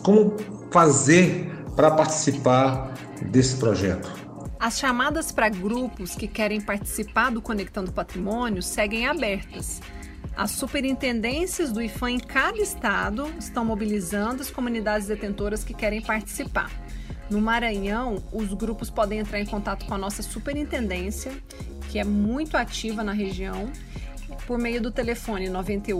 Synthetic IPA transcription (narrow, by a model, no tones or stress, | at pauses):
kõmʊ | fazeɾpɾɐpaɾt͡ʃi̥sipaɾ | d̪esɪ̥pɾɔʒɛ̰t̪ʊ̥ | ɐsʃamad̪ɐspɾɐɡɾupʊskɪkɛɾẽj̃paɾt͡ʃi̥sipaɾd̪ʊkõnek̚t̪ɐ̃w̃d̪ʊpat̪ɾimõnjʊsɛɡẽj̃abɛɾt̪ɐs | ɐ̰sːupeɾĩnt̪ẽnd̪ẽsiɐzd̪ʊifɐ̃ẽkʰad̪ɐɪst̪ad̪ʊɪst̪ɐ̃w̃mobilizɐ̃nd̪ʊɐskomũnid̪ad͡ʒɪzd̪et̪ẽnt̪oɾɐskɪkɛɾẽj̃paɾt͡ʃi̥sipa̰ɾnʊmaɾɐ̃ɲɐ̃w̃ʊzɡɾupʊspɔd̪ẽj̃ẽnt̪ɾaɾẽkõnt̪at̪ʊ̥kõɐnɔsɐsupeɾĩnt̪ẽnd̪ẽsiɐ | kʰɪɛmũj̃t̪ʊat͡ʃivɐnɐɦeʒiɐ̃w̃ | poɾmejʊd̪ʊt̪elefõnɪnovẽnt̪e